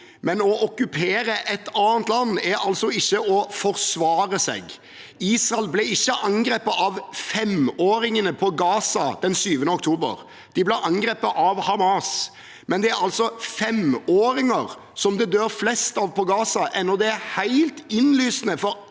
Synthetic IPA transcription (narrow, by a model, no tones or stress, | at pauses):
mɛnɔʔɔkʉpʰeːɾəʔɛt̪ɑːənt̪lɑnːæɾɑlsɔɪçːəɔfɔɾsʋɑːɾəsɛ̰ɡ | iːsɾɑlblɛɪçːəʔɑŋɡɾeːpɑʔɑʋfɛmoːɾɪŋənəpʰɔɡɑːsɑd̪̥ɛnsyːʋənəɔkt̪ʰuːbə̰ɾ | d̪̥ɪblæʔɑŋɡɾeːpɑʔɑʋhɑmɑːs | mɛnd̪ɛæɾɑlsɔfɛmoːɾɪŋəʁ | sɔmd̪ɛd̪øːɾflɛst̪ɑʋpʰɔɡɑːsɑʔɛnːɔd̪ɛæɾhæɪlt̪ɪnlyːsnəfɔɾ